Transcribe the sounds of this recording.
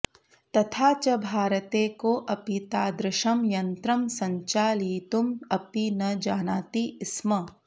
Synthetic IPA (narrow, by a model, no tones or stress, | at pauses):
t̪ɐt̪ʰaːt͡ʃɐbʱaːɾɐt̪eːkoʔɐpit̪aːd̪ɾɪʃɐmjɐnt̪ɾɐmsɐɲt͡ʃaːliːt̪umɐpinɐd͡ʒaːnaːt̪iɪsmɐ